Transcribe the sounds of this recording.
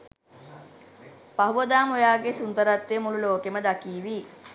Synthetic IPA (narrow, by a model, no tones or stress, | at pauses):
paɦuʋəd̪aːmojaːɡesund̪əɾat̪ːemululoːkeməd̪akiːʋi